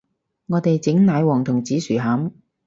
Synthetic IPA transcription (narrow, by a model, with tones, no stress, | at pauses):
ŋɔː˨˧t̪e˨jt͡sɪ˨˥ŋnaː˨˧jwɔː˨˩ŋt̪ʰʊ˨˩ŋt͡siː˨˥syː˨˩ɦaː˨˥m